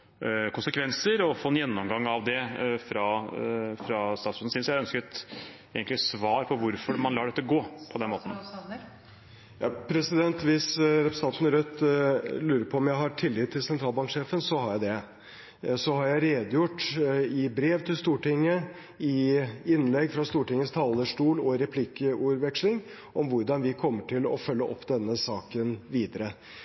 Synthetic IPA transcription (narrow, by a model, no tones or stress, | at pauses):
kʊnsəkʰʋɛnsəɾɔfoːɛnjɛnːɔmɡɑŋːɑʋd̪ɛfɾɑ | fɾɑst̪ɑːt̪sʉn̩sɪnsjæɪœnskət̪ | eːɡənlɪsʋɑːɾpʰɔʋʊɾfɔɾmɑnlɑːɖɛt̪ːəɡoːpʰɔd̪ɛnmoːt̪n̩ | jɑpʰɾɛsɪd̪ɛnt̪ʋɪsɾɛpɾəst̪ɑnt̪ənəɾœt̪ːlʉːɾəpʰɔɔmjæɪɦɑʈʰɪlːɪːt̪ʰːɪlsɛnt̪ʰɾɑːlbɑŋkʂeːfənsɔhɑɾjæɪd̪ɛ | sɔhɑɾjæɪɾeːd̪əjʊʈːɪbɾeːʋt̪ʰɪlst̪uːʈɪŋːə | ɪɪnːlɛɡfɾɑst̪uːʈɪŋːəst̪ʰɑːləʂʈuːlɔɾɛpʰlɪkəuːɾʋɛkʂlɪŋ | ʔɔmʋʊɾɖɑnʋɪkʰɔmːəʈʰɪlɔ̰fœlːəʔɔ̰pːd̪ɛnːəsɑːkənʋiːd̪əɾə